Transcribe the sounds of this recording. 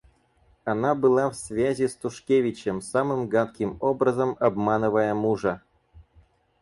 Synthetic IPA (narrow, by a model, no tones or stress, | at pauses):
anabɨlˠɑfsʲvʲæzʲist̪uʂkʲevʲit͡ɕemsɑmɨmɡɑt̪kʲimobrɐzəmɐbmɑnɨvajəmuʐɐ